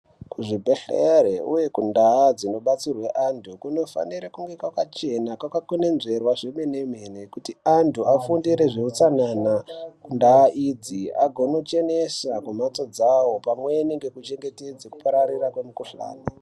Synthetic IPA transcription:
kuʐibʱe̞ɬeɾeuje̞kundaad͡zino̞ɓat͡sirwe̞ʔantʰukuno̞fa̰niɾakuŋɡekwakat͡ʃe̞nakwakakone̞nze̞rwaʐeme̞nemenekutiantʰuafundiɾe̞ʐiut͡sananakundaːʔid͡zia̰ɡʱo̞no̞t͡ʃe̞nesakumat͡so̞d͡zawo̞pamwe̞neŋɡe̞kut͡ʃe̞ŋɡe̞ted͡zeku̥paɾarirakwemukuɬa̰ːne

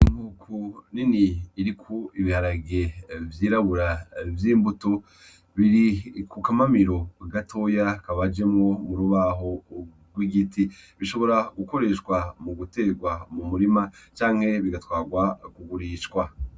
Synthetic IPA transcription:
imhuːkʰuniniːɾikʰoiβihaɾaɡevjiːɾaβuɾavjiːmbuto̞ | βiɾikukamamiɾo̞ɡatʰo̞jakaβad͡ʒe̞mŋo̞muɾuβaɦo̞ | ɡwiɡitiβiʃo̞βo̞ɾaɡuko̞ɾe̞ʃkwamuɡute̞ɡwamumuɾimat͡ʃaːŋ̥he̞βiɡatwaːɡwakuɡuɾiʃkwa

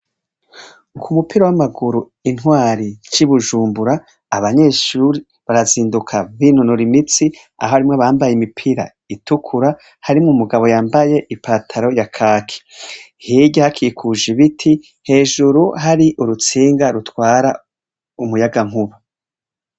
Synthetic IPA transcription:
ukʰumupiɾawamaɡuɾu | in̥waːɾit͡ʃiβuʒuːmbuɾaː | βaɲe̞ːʃuɾi | βaɾaziːndukʰaβinonoɾimit͡si | a̰ho̞haɾimŋaβaːmbajemipʰiɾa̰ | itukʰuɾa | haɾimŋumuɡaβo̞jaːmbaje̞ʔipaːtʰaɾo̞jakʰaːkʰi̥ | hiɟahakʰiːkʰuʒiβitʰi | he̞ːʒuɾuɦaɾiʔuɾut͡siːŋɡaɾutwaːɾa | umujaɡaŋ̥huβu

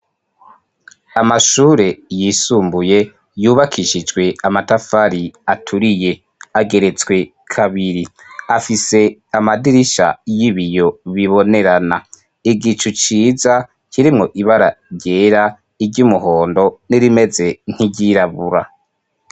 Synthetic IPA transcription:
amaʃuːɾe̞jisuːmbuje̞ | juːβakʰiʃid͡ʒɡwe̞amatafaɾiatʰuɾije̞ | aɡe̞ɾe̞t͡sɡwe̞ | kʰaβiɾiafise̞amadiɾiʃa̰jiβijo̞βiβo̞ne̞ɾana | iɡit͡ʃut͡ʃiːza | kʰiɾimŋo̞ʔiβaɾaɾɟe̞ːɾa | iɾɟumuɦo̞ːndo̞niɾime̞ze̞n̥iɟiɾaβuɾa̰

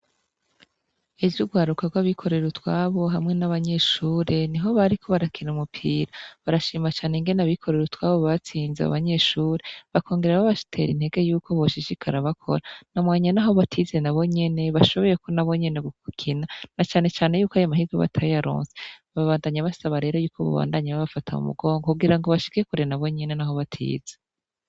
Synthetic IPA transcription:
evjuɡwaːɾukaɡwaβikʰo̞ɾe̞ɾutwaβo̞ɦamŋe̞naβaɲe̞ʃuːɾe̞niɦo̞βaɾikʰo̞βaɾakʰinumupʰiːɾaβaɾaʃiːmat͡ʃaːneŋɡe̞naβikʰo̞ɾe̞ɾutwaːβo̞βat͡siːnzea̰βaɲe̞ʃuːɾeβakʰo̞ːŋɡe̞ɾeɾaβaβaʃi̥tʰe̞̰ɾḭn̥he̞ɡejuːkʰo̞βoʃiʃikʰaɾaβakʰo̞̰ɾanamwaːɲanaɦo̞βatʰize̞naβo̞ɲe̞ne̞βaʃo̞βo̞je̞konaβo̞ɲe̞ne̞ɡukukʰinanat͡ʃaːne̞t͡ʃaːne̞juːkoajomahiɡweβa̰tʰajaɾo̰ːnse̥βaβaːndaɲaβasaβaɾe̞ɾo̞juːkoβa̰βa̰ːndaɲaβaβafatʰamṵmṵɡo̞ːŋɡokuɡiɾaŋɡo̞βaʃi̥kekuɾenaβo̞ɲe̞ne̞naɦo̞βatʰḭːze

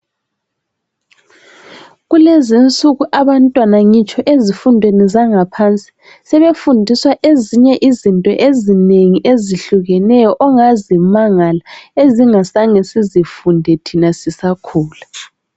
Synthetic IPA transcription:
ɣulezint͡sʼuɣuʔaβantʼwanaŋit͡ʃʼɔʔezifundʱwenizaŋapʰant͡sʼi̥ | sɛβefundʱiswaʔeziɲɛʔizintʼɔ̰ʔezineŋiʔeziɬuɣɛnɛjɔʔɔŋazimaŋalaeziŋasaŋɛsizifundʱɛtʰinasisakʰuːla

